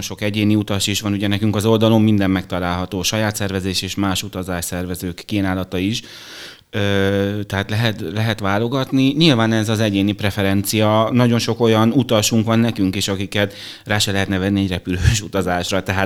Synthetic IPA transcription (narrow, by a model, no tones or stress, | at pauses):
nʃo̞kɛɟeːniut̪ɒʃiʃʋɒnuɟɛnɛkyŋkɒzo̞ld̪ɒlo̞mːind̪ɛmmɛkt̪ɒlaːlɦɒt̪oːʃɒjaːt̪sɛrvɛzeːʃeːʃmaːʃut̪ɒzaːʃsɛrvɛzøːkːiːnaːlɒt̪ɒiʃ | øt̪ɛɦaːt̪lɛɦɛt̪lɛɦɛt̪ʋaːlo̞ɡɒt̪niɲilvaːnɛzɒzɛɟeːnipɾɛfɛɾɛnt̪sijɒnɒɟo̞nʃo̞ko̞jɒnut̪ɒʃuŋkʋɒnːɛkyŋkeːʃɒkikɛt̪ | raːʃɛlɛɦɛt̪nɛvɛnːiɛɟrɛpyløːʃut̪ɒzaːʃrɒt̪ɛɦaː